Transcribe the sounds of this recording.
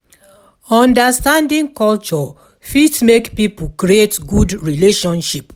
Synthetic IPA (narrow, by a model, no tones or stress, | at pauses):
ɔ̃ndəstãndĩŋkɔlt͡ʃɔ | fitmekpipukɾietɡudɹileʃɔ̃nʃip